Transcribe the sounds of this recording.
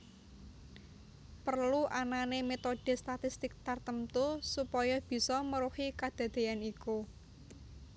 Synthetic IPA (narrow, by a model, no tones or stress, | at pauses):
pərluʔananemet̪oɖ̥e̤st̪at̪ist̪ɪk̚t̪art̪əmt̪usupɔjɔb̥i̤sɔməɾuhikad̪̥a̤d̪̥e̤aniku